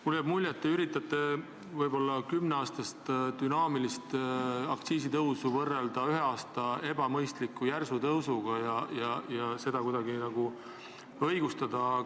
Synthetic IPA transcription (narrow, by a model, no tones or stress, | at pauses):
muljæbmulʲːjet̪ːeyɾit̪ːˑɑt̪ːˑe̞ | vɤjbo̞lːɑkymneɑːst̪ɑst̪d̪̥ynɑːmilist̪ɑkt̪siːsit̪ɤwsuvɤrːe̞ld̪̥ɑyɦeɑːst̪ɑe̞bɑmɤjst̪likːˑujærsut̪ɤwsuɡ̥ɑjɑjɑjɑse̞d̪ɑkud̪̥ɑɡinɑɡ̥u | ɤjɡ̥ust̪ɑd̪̥ɑ